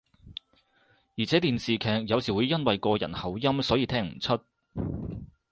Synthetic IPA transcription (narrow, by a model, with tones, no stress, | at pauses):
jiː˨˩t͡sʰɛː˨˥t̪iː˨nsiː˨kʰɛː˨k̚jɐ˨˧wsiː˨˩wuː˨˧˥jːɐ˥nwɐ˨jkɔː˧jɐ̰˨˩nhɐ˨˩wjɐ˥msɔː˨˥jiː˨˧t̪ʰɛː˥ŋm̩̰˨˩t͡sʰɵ˥t̚